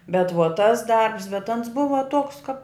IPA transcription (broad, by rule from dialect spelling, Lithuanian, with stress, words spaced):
bʲɛt ˈʋuɔ ˈtɐs ˈdɐrps bʲɛt ˈɐns ˈbʊʋɐ ˈtuɔks kɐp